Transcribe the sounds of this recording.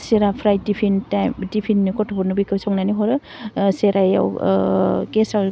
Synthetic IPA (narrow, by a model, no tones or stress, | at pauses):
seɾapʰɾajdipʰintadipʰinːkɔtʰɔbɔɾnubikʰɯsawŋnaniɦɔɾɯ | seɾaja̰w | kesaw